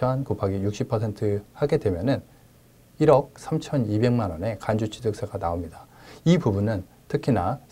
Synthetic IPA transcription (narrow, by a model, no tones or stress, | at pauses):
ʌɦankopʰaɡijuk̚ɕ͈ipʰʌsʰe̞ntʰɯhaɡe̞dwe̞mjʌnɯn | iɾʌk̚sʰamt͡ɕʰʌnibe̞ŋmanwʌne̞kand͡ʑut͡ɕʰidɯk̚s͈eɡanaomɲidaipubunɯn | tʰɯkʰina